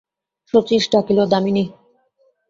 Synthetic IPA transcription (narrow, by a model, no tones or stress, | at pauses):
ʃot͡ɕiʃɖakilod̪amini